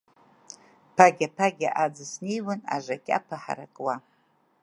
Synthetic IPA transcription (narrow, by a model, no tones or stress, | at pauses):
pʰaɡʲapʰaɡʲaʔad͡zɨsnejwana̰ʐʷakʲʼa̰pʰaħa̰ɾa̰kʼwa